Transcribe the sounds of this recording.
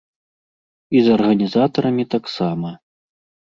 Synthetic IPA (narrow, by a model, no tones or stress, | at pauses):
izɐrɣɐnʲizat̪ɐɾɐmʲit̪aksamɐ